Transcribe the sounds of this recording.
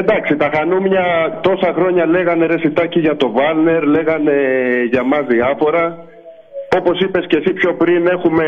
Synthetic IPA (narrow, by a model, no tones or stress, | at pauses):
nd̪ɐksit̪ɐxɐnumɲɐt̪o̞sɐxɾo̞ɲɐle̞ɣɐne̞ɾe̞sit̪ɐciʝɐt̪o̞vɐlne̞ɾle̞ɣɐne̞ʝɐmɐzðiɐfo̞ɾɐ | o̞po̞sipe̞sce̞sipço̞pɾine̞xume̞